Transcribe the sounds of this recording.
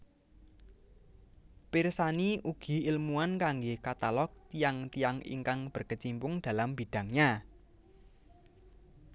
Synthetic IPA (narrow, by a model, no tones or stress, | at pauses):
pirsaniʔuɡ̥i̤ilmuankaŋɡehkat̪alɔk̚t̪ijaŋt̪ijaŋḭŋkaŋb̥ə̤rkət͡ʃimpʊŋd̥a̤lamb̥id̥a̤ŋɲa